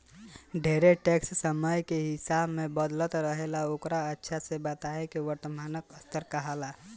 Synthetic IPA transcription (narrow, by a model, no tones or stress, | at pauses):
ɖʱeːɾeʈekssəməjkeɦɪsabmẽbəd̪lət̪ɾəɦelaokɾaətːʃʰasebət̪aekeʋəɾt̪əmaːnəkəst̪əɾkəɦala